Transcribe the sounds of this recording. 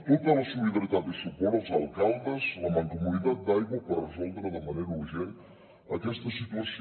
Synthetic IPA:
t̪ot̪əlɐsuliðɐɾit̪at̪̚d̪əsupɔlazalˠkalˠd̪əzlamaŋkumunit̪at̪̚d̪ajɣwəpərəzɔlˠd̪ɾəðəmɐnejɾɐuɾʒen | ɐkɛst̪əsit̪uɐs

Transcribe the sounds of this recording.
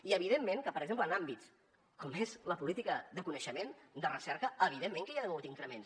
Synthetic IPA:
iəβ̞iðemːeŋkəpəɾəɡzemplənambit͡s | kɔmezləpulit̪ikəðəkunəʃəmend̪ərəsɛɾkəəβiðemːẽŋkəjaðənowt̪iŋkɾəmens

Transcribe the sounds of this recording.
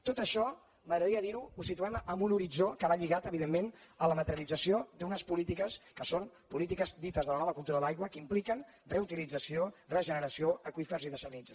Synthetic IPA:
t̪ot̪əʃɔ | məɣɾəðəɾiəðiɾuusit̪uaməmbunuɾid͡ʒokəβaʎiɣat̪əβiðemːenələmət̪əɾlid͡zəsiod̪unəspulit̪ikəskəson | pulit̪ikəzd̪it̪əzðələnɔβəkulˠt̪uɾədajɣwəkimplikən | reut̪ilid͡zəsiorəʒənəɾəsioʔəkwifərziðəsənid͡z

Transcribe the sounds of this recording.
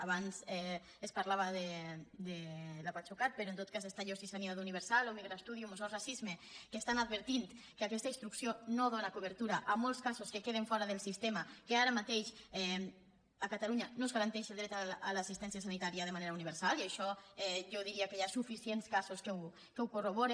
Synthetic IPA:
aβanzɛ | espaɾlaβaðed̪elapat͡ʃukat̪̚peɾɔont̪ot̪̚kazest̪aʎosisaniaðuniβ̞eɾsalomiɣɾast̪uðiumosorasizmekest̪anad̪̚βeɾt̪int̪ | keakɛst̪ainst̪ɾuksjonoðonakuβəɾt̪uɾaʔːmolˠskazoskekeð̞eɱfɔɾaðelˠsist̪emakeaɾamat̪eʃɛ | akat̪aluɲanozɣaɾant̪ɛʃelˠd̪ɾɛt̪aːlasist̪ɛnsjas̬anit̪aɾiað̞emaneɾauniβ̞eɾsaliaʃɔɛʒoðiɾiakejasufisienskazoskew | kewkoroβɔɾe

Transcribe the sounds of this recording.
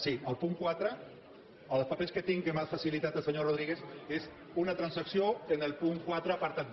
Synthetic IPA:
siəlˠpuŋkwat̪ɾə | olspapesket̪iŋkemafasilit̪at̪elˠseɲoroð̞ɾiɣeses | unat̪ɾansaksjoenelpuŋkwat̪ɾapaɾt̪at̪̚

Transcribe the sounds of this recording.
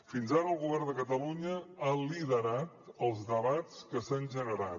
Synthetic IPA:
finzaɾəəlˠɣuβɛrnd̪əkət̪əluɲəaliðəɾat̪əlˠzðəβat͡skəsanʲʒənəɾa̰

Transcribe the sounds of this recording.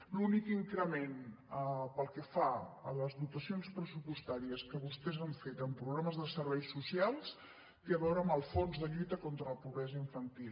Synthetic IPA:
lunikiŋkɾəmenəpəlˠkəfaələzðut̪əsionspɾəsupust̪aɾiəskəβust̪ɛzaɱfet̪əmpɾuɣɾaməzðəsəɾβɛjsusialˠs | kiəβɛwɾəməlˠfonzðəʎujt̪əkont̪ɾələpuβɾɛzəiɱfənt̪il

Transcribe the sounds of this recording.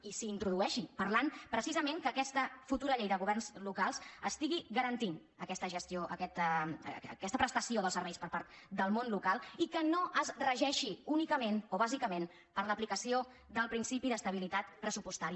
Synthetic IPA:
isiːnt̪ɾuðuɛʃipərlanpɾəsizəmeŋkəːkɛst̪əfut̪uɾəʎejðəɣuβɛrnzlukalˠzəst̪iɣiɣəɾənt̪in | əkɛst̪əʒəst̪joʔəkɛt̪əkɛst̪əpɾəst̪əsioð̞əlˠsəɾβɛjspəɾpaɾt̪d̪əlˠmonlukalˠikənoʔəzrəʒɛʃiunikəmenoβ̞azikəmen | pəɾləplikəsio | d̪əlˠpɾinsipiðəst̪əβilit̪at̪pɾəsupust̪aɾi

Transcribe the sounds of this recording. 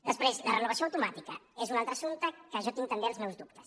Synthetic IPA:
d̪əspɾezlɐrənuβɐsjõɐwt̪umat̪ikɐɛzunalˠt̪ɾɐasunt̪ɐkaʒɔt̪ĩɲt̪ɐmb̪ẽlzmɛwzd̪up̚t̪ɐ̥s

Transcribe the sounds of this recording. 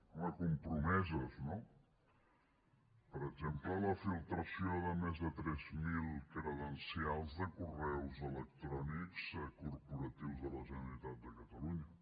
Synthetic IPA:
unəkumpɾumɛzəzno | pəɾəɡzemplələfilˠt̪ɾəsioðəmezðət̪ɾɛzmilˠkɾəðənsialˠzðəkurɛwzələk̚t̪ɾɔnikzkurpuɾət̪iwzðələʒənəɾit̪at̪̚d̪əkət̪əluɲə

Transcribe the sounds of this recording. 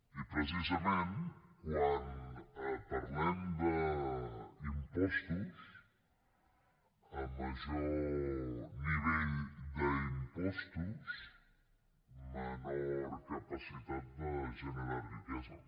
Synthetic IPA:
ipɾəs̬izəmenkwanəpəɾmand̪ə | əmpɔst̪əs | əlməzu | niβ̞eʎd̪əimpɔst̪əs | mənɾkəpəsit̪at̪̚d̪əʒənəɾarikɛzə

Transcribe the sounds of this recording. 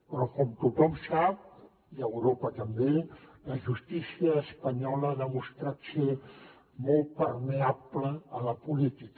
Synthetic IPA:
pɾɔkɔmt̪ut̪ɔmsap | iəwɾopat̪ambelaʒust̪isiaːspaɲɔləaðəmust̪ɾat̪se | mɔlt̪pəɾmeapləːlapulit̪ik

